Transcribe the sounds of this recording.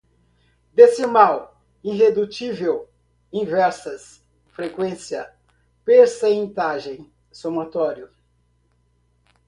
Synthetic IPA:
d̪esɪmaw | ĩɦed̪ut͡ʃivew | ĩvɛɾsɐs | fɾekwẽsiɐ | peɾsẽnt̪aʒẽj̃ | somat̪ɔɾiʊ

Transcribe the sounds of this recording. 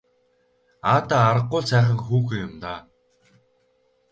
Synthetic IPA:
aːt̪aːɾə̆qːʊːɮsæːχə̆ŋxuːxɘ̆jʊmt̪aː

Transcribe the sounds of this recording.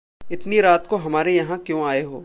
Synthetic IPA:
ɪt̪niɾaːt̪koɦɐmaːɾejɐɦãkjõːaːeɦoː

